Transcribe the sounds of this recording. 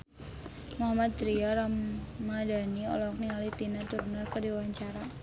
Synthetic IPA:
muɦamat̪̚t̪ɾiaɾammːadaniɔ̰lɔk̚niŋalit̪inat̪urnərkərdiwaɲt͡ʃaɾa

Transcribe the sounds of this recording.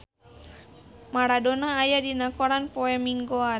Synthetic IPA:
maɾadɔnaːjadinakɔɾanpɔɛmiŋɡoa

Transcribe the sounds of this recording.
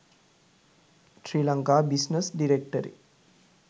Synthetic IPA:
ʃɾiːlaŋkaːbisnəsɖiɾek̚ʈəɾḭ

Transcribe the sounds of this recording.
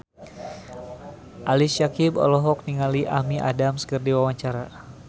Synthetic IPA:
ʔalisjakibɔ̰lɔɦɔk̚niŋaliʔahmiʔa̰damsə̥kərdiwawaɲt͡ʃaɾa

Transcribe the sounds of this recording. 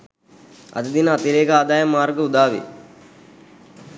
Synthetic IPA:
ɐ̰d̪əd̪inəat̪iɾeːɡəaːd̪aːjɐmːaːɾɡəud̪aːʋḛ

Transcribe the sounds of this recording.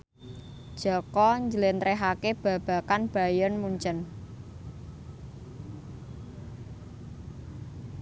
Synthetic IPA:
d̥ʒ̥ɔkɔɲd͡ʒəlent̪ɾeɦakeb̥ä̤b̥ä̤kanb̥a̤jɔnmuɲt͡ʃən

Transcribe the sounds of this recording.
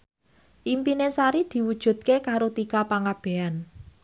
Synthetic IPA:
ʔimpinesaɾid̪̥i̤wud̥ʒ̥ṳd̪̚kekaɾot̪ikapaŋab̥e̤an

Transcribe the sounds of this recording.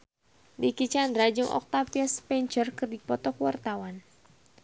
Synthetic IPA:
dikit͡ʃand̪ɾad͡ʒɨŋʔɔ̰k̚t̪apiaspɛɲt͡ʃərkɨrdipɔt̪ɔkwart̪awan

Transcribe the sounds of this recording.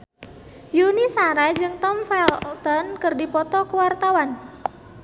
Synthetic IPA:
junisaɾad͡ʒɨŋt̪ɔmfɛlt̪ɔnkɨrdipɔt̪ɔkuwart̪awan

